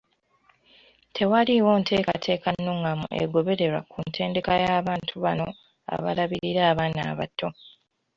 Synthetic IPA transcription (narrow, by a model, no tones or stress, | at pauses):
tʰe̞waliwo̞ːntʰe̞ːkatʰe̞ːkanːoːŋɡamṵʔḛɡo̞βe̞ɾe̞ɾwa̰kʰuntʰe̞ːnde̞kajaːβaːntʰuβano̞ | a̰βa̰laβiɾiɾaːβaːna̰ːβatʰːo̞